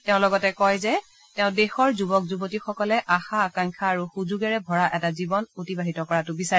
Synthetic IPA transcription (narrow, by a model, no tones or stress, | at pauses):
tɛʊ̃lɔɡɔtɛkɔjzɛ | tɛʊ̃dexɔɹzubɔk̚zubotixɔkɔlɛʔaxaːkaŋkʰaːɹuxuzuɡɛɹɛbʱɔɹaʔɛtazibɔnotibaɦitɔkɔɹatʊbisaɛ